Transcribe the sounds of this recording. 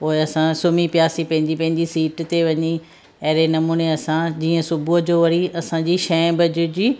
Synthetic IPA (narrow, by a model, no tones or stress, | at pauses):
poːɪɐsãsʊmipjaːsipɐ̃ɦɪ̃ɲd͡ʑipɐ̃ɦɪ̃ɲd͡ʑisiːʈt̪eʋɐɲi | ɐɦɾenɐmuːneɐsãd͡ʑiːə̃sʊbʱuəd͡ʑoːʋɐɾiɐsãd͡ʑiːʃɛ̃ːbʱɐd͡ʑʊd͡ʑiː